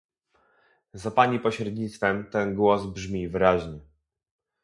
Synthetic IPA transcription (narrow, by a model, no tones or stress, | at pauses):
zapaɲipɔɕɾɛd̪ɲit̪st̪fɛmt̪ɛnɡwɔzbʐmʲivɘɾaʑɲɛ